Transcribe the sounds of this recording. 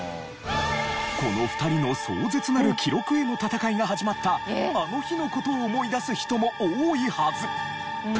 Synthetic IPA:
ko̞no̞ɸɯ̥t̪aɾʲino̞so̰ːzet͡sɨnaɾɯ̟kʲʰiɾo̞kɯ̟e̞no̞t̪at̪akaiɡaɦaʑimat̪ːaano̞çino̞ko̞t̪o̞ːmo̞id̪asɨçi̥t̪o̞mo̞oːihazɨ

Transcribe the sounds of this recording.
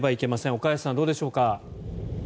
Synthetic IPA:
baike̞masẽ̞o̞kajasãnd̪o̞ːd̪e̞ɕo̞ːka

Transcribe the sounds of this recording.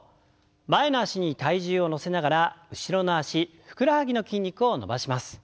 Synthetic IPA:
baenoaɕiɲ̟it̪aiʑɨːo̞no̞se̞naɡaɾaɯ̟ɕiɾo̞noaɕiɸɯ̟̥kɯ̟ɾahaɡʲino̞kʲĩɲ̟ʲːikɯ̟o̞no̞̰baɕimasɨ̥

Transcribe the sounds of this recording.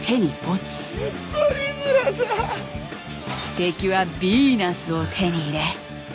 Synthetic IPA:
t̪ʰe̞ɲ̟iot͡ɕi̥ | oɾʲimɨɾaza | i̥t̪e̞kʲiβabʲinasɨot̪ʰe̞ɲ̟iːɾe̞

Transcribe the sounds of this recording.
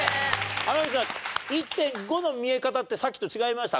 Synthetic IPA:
anoesãit̪ːẽ̞ŋɡo̞no̞mʲie̞kat̪at̪ːe̞sakʲːi̥t̪o̞t͡ɕiɡaimaɕi̥t̪a

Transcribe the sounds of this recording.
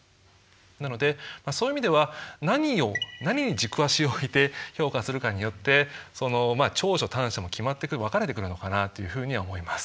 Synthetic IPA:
nano̞d̪e̞maːsoːjimʲid̪e̞βanaɲ̟ionaɲ̟iɲ̟id͡ʑikɯ̟βaɕioit̪e̞ço̞ːkasɨɾɯ̟kaɲ̟ijo̞t̪ːe̞so̞no̞mat͡ɕo̞ːɕo̞t̪ãɰ̃ɕamokʲimat̪ːekɯβakaɾe̞t̪e̞kɯ̟ɾɯ̟no̞kanat̪ːe̞jɯ̟ɸɯ̟ːɲ̟iβaomo̞imasɨ̥

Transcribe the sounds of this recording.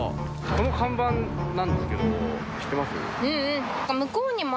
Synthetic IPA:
sonokʰãmbãnnãnd̪esɨ̥ke̞d̪o | ɕi̥t̪ːemasɨjo̰ḛɯ̟̃ɴ̃ː | kamɯ̟koːɲ̟imo

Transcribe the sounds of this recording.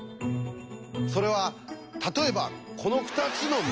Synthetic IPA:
so̞ɾe̞βa | t̪at̪o̞e̞bakʰo̞no̞ɸɯ̟̥t̪at͡sɨno̞m

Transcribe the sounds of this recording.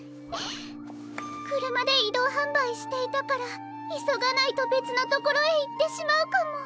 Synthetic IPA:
ne | kɯ̟ɾɯ̟mad̪e̞id̪o̞ːɦãmbaiɕi̥t̪e̞it̪akaɾa | iso̞ɡanait̪o̞be̞t͡sɨnat̪o̞ko̞ɾo̞eit̪ːe̞ɕimaɯ̟kamo̞

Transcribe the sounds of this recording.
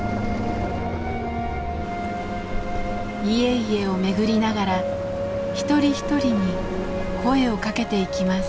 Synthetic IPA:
ie̞ie̞o̞me̞ɡɯ̟ɾʲinaɡaɾa | çi̥t̪o̞ɾʲiçi̥t̪o̞ɾʲiɲ̟i | kʰo̞e̞o̞kake̞t̪e̞ikʲimas

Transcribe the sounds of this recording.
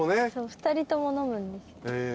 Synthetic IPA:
oneso̞ːɸɯ̟̥t̪aɾʲit̪o̞mo̞no̞mɯ̟̃nd̪esie

